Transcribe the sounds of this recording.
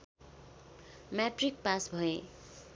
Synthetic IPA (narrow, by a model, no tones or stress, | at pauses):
mjaʈrik̚pasbʱʌe